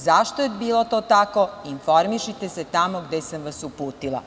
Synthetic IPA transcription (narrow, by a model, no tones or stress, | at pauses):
zaʃt̪oebiːlˠot̪oːt̪ako̞info̞ɾmiʃit̪eset̪amoɡd̪esamʋasupuːt̪ilˠa̰